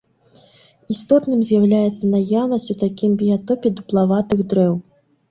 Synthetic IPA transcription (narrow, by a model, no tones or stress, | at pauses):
ist̪ɔt̪nɨmzʲjawlʲajɛt̪sːɐnajawnɐsʲt͡sʲut̪akʲimbʲijat̪ɔpʲɛd̪uplˠavat̪ɨɣd̪ɾɛw